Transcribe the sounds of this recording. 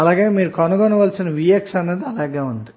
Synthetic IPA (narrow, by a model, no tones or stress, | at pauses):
ɐlaːɡe̞ːmiːɾukɐnuɡonɐʋɐːlsinɐʋijeksɐnːeːd̪iɐlaːɡeːund̪i